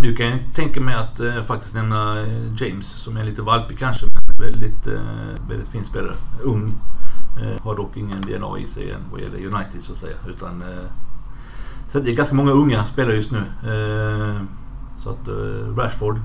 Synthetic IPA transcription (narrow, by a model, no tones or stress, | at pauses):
d̪ɵkʰanɪnt̪ə̥t̪ʰɛŋkamɛɪat̪fak̚t̪ɪst̪nɛmnad͡ʒɛɪmsːɔmæliːt̪əvalpɪɡ̚kʰanʂəmɛnnɛnvɛld̪ɪt̪ | vɛ̰lɪt̪fiːnspeːla̰ɾəɵŋː | haɖɔkːɪŋːənd̪ḛɛnɑ̰ːɪ̰sɛɪjɛ̰nːva̰jɛ̰lːə̰jʉnaɪt̪ʰɪd̪̥sɔat̪sɛjːa̰ʉːt̪ʰan | sɛt̪d̪ɛæɡanskamɔŋːaɵŋːaspeːlaɾəjɵst̪nʉ̟ː | sɔa̰t̪ɾæʂfɔɖ